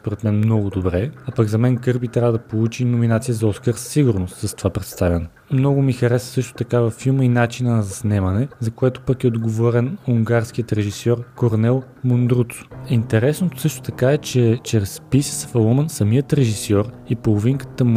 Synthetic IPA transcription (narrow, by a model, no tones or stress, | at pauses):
spoɾɛt̪mɛnmnɔɡʊd̪obɾɛapəɡzɐmɛnkɤɾbit̪ɾʲavəd̪ɐpolˠut͡ʃinominat̪sijəzɐɔskəɾssiɡʊɾnost̪sɐst̪ovapɾɛt̪st̪avʲjɐnɛ | mnɔɡʊmixɐɾɛsnəsɤʃt̪o̥t̪ɐkavɐfːilˠməinat͡ʃinənɐzɐsnɛmɐnɛzɐkoɛt̪o̥pəkɛod̪ɡovɔɾɛnuŋɡaɾsk̟ijət̪ɾɛʒisɔɾkoɾnɛlˠ | mond̪ɾut̪so̥int̪ɛɾɛsnot̪o̥sɤʃt̪o̥t̪ɐkaɛt͡ʃɛt͡ʃɾɛspisə̥sə̥fɐlˠɔmənsɐmiət̪ɾɛʒisɔɾipolˠoviŋkə̥t̪əm